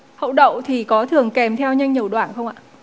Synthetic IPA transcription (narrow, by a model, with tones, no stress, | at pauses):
hə̰˧˨wɗə̰˧˨wŋ͡mt̪ʰi˨˩kɔ˨˦t̪ʰɨ˨˩əŋkɛ˨˩mt̪ʰɛ˧wɲə˧jŋɲi˨˩əwɗwaː˧˩nxə˧wŋ͡mʔa̰ː˧˨ʔ